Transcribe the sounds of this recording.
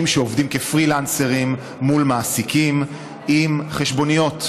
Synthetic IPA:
imʃeovdimkefʁilanseʁimː | ulmaːsikim | imχeʃbo̞nijo̞t

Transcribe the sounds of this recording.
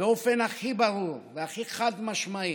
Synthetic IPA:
eo̞fenaχibaɾuʁveaχiχad̪maʃmai

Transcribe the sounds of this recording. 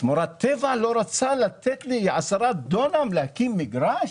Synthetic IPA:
t̪moɾat̪ːevalo̞ɾat͡salat̪et̪liʕasaɾad̪onamlahkimːiɡɾaʃ

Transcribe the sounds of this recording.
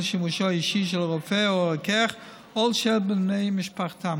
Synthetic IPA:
ʃɪmuʃɔiʃiʃ̬ɛlˠʁɔfɛokɛχ | ɔlˠʃɛlbɪneɪmɪʃpaχtam

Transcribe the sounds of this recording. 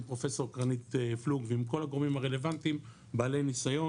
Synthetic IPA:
pʁo̞fe̞so̞ʁkʁanit̪fluɡveimko̞laɡo̞ʁmimaʁele̞vant̪im | baːle̞jnisajo̞

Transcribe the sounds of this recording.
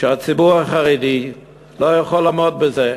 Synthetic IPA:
ʃeat͡sibuʁaχaʁid̪i | lojaχolamod̚beze

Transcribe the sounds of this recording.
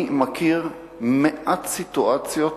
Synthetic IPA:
makʰiʁ | meʔat̪sit̪uʔat͡sjo

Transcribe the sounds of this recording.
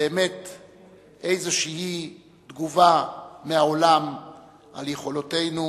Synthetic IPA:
eːmet̪ | ʔe̞jzeʃihi | t̪ɡuvameaolam | ʔaljeχo̞lote̞jnu

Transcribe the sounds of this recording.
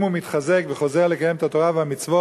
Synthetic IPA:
mumit̪χazekveχo̞zeʁlekajemet̪at̪o̞ʁavehamit͡svo

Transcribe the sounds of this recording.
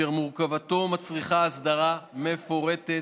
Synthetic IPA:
eʁmuʁkavat̪o̞mat͡sʁiχaːsd̪aʁame̞fo̞ʁet̪e

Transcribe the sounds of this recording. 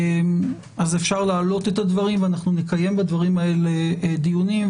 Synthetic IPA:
m | azefʃaʁlaːlo̞t̪e̞t̪had̪vaʁimveanaχnunekaje̞mbad̪vaʁimae̞led̪ijunim

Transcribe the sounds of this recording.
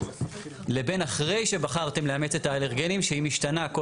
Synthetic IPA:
le̞be̞naχʁe̞jʃe̞baχaʁt̪e̞mleame̞t͡se̞t̪aːleʁɡenimʃeimiʃtanako

